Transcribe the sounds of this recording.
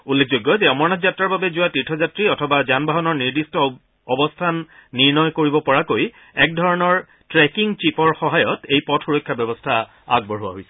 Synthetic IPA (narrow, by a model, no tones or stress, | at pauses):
ulːekʰzojɡːɔzɛɔmɔɹnazatɹaɹbabɛzʊwatitʰːɔzatɹiɔtʰɔbazanbʱaɦɔnɔɹniɹdistɔː | bɔstʰanːiɹnɔjkoɹibɔpɔɹakoj | ɛk̚dʱɔɹɔnɔɹ | tɹɛkiŋt͡ʃipɔɹxɔɦajɔtejpɔtʰuɹojkʰːjabɛbɔstʰa | a̰ɡ̚bɔɹɦuwa̰ɦojsɛ̥